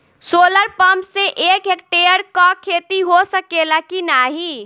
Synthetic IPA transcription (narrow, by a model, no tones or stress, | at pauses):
soːləɾpəmpseʔeːkɦek̚ʈeəɾkɔkʰet̪iɦosəkelakinaːɦi